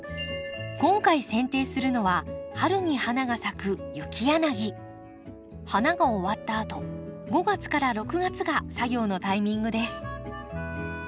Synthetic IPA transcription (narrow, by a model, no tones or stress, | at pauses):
kõ̞ŋkaisẽ̞nt̪e̞ːsɨɾɯ̟no̞βahaɾɯ̟ɲ̟ihanaɡasakɯ̟jɯ̟kʲʰijanaɡʲi | hanaɡaoβat̪ːaːt̪o̞ɡo̞ɡat͡sɨ̥kaɾaɾo̞kɯ̟ɡat͡sɨɡasaɡʲo̞ːno̞t̪aimʲĩŋɡɯ̟d̪e̞sɨ̥